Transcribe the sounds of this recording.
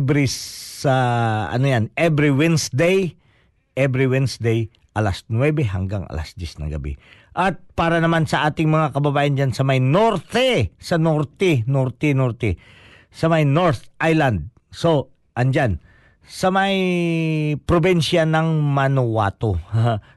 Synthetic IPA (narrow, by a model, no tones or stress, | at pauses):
bɾiɐɐ̰nojanɛbɾiwɛnsd̪ej | ʔɛbɾiwɛnsd̪ej | ʔɐlasnwɛbɛɦɐ̰ŋɡaŋʔɐ̰la̰sd̪jɛsnɐ̰ɡɐ̰bḭʔɐt̪̚paːɾɐnɐmansɐʔaːt̪ɪŋmɐŋakɐbɐbaːjɐnd͡ʒansɐmajnoɾt̪ɛsɐnoɾt̪ɛnoɾt̪ɛnoɾt̪ɛ | sɐmajno̞ɹt̪ʔajland̪̚ | so̞ | ʔɐnd͡ʒan | sɐmɐj | pɾobinʃjanɐŋmɐnowa̰ːt̪o